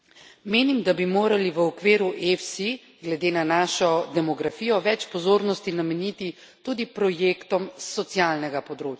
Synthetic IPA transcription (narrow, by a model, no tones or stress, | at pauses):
meːnimd̪abimoːɾaliʋəɔkʋeːɾuʔefsi | ɡlɛd̪eːnanaːʃɔd̪ɛmɔɡɾafiːjɔʋɛt͡ʃpɔzoːɾnɔst̪inamɛnit̪i | t̪uːd̪ipɾɔjeːkt̪ɔmsːɔt̪sialnɛɡapɔd̪ɾoːt͡ʃa